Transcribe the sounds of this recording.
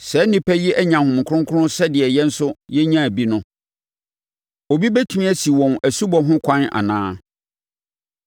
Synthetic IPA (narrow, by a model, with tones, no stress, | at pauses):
sɛ˨˦nĩ˦pʰæ˦ji˦ʔɛ˦ɲã˨hʊ̃˨m˨kʰʊ˦ɾʊ̃˦ŋ˦kʰʊ˦ʊ̃˦sɛ˦dɪ˨ɛ˨jɛ˦n̩˦sʊ˦jɛ˦ɲã˦æ˨bi˦nʊ̃˦ | o˨bi˦bɛ˦tʰu˦mĩ˦ɛ˦si˨wɔ̃˨næ˨su˦bɔ˨ɦʊ̃˦kʷʰã˦na̰˨nãː˦